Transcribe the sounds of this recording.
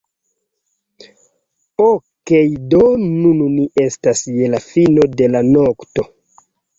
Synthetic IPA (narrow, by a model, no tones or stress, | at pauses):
okejdonununiʔe̞stasje̞lafino̞de̞lanokto̞